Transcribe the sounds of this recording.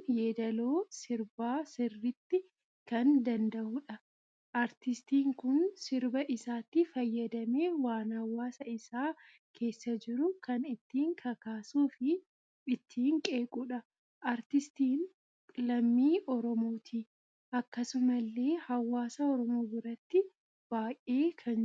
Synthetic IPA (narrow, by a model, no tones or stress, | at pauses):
jeːd̪ɐlo̞ːsɪɾbaːsɪrːɪt̪ːɪ | kɐnd̪ɐnd̪ɐʔʊᶑɐ | ʔɐɾt̪ɪst̪iːŋkʊnsɪɾbɐʔɪsaːt̪ːɪfɐjːɐd̪ɐme̞ːwaːnhɐwːaːsɐɪsaː | kʰe̞ːsːɐd͡ʒɪɾʊkɐnɪt̪ːiːŋkʰɐkaːsuːfɪ | ɪt̪ʰːiːŋkʼe̞ːkʼuᶑɐ | ʔaɾt̪ɪst̪iːnʼ | lɐmːiːʔɔɾɔmo̞ːt̪ʰi | ɐkːɐsʊmɐlːe̞ːhɐwːaːsɐɔɾɔmo̞ːɡʊɾɐt̪ːɪ | b̥aːjʔʔe̞ːkʰɐn